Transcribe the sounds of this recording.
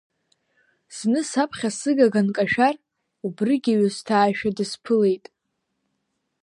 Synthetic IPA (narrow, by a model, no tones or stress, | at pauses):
z̥nɨsapʰχʲasɨɡaɡankʼaʃᶣar | ubrɨɡʲaɥastʰaːʃᶣadɨspʰɨle̞jtʼ